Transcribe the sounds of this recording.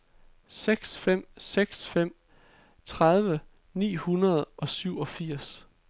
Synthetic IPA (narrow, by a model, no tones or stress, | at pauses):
seɡ̥sfem̰seɡ̥sfem̰ | t͡sʰʁað̞ˠʋə | nḭːhunɐð̞ˠʔɒ̽syʊɒ̽fiɐ̰s